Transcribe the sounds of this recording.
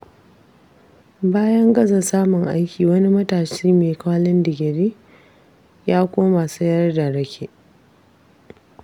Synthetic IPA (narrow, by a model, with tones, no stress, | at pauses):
baː˦jɐ˦ŋɡɐ˦zɐ˨saː˦mʊ˨ŋʔa˦jkʲiː˨wɐ˦ni˦mɐ˦taː˨ʃiː˦meː˨kaː˦lɪ˦ndɪ˨ɡʲɪ˨ɾeː˦ | jaː˦kʷʼoː˦ma˨sɐ˦jɐ˦rda˨ɽɐ˦kʲʰe˨ʔ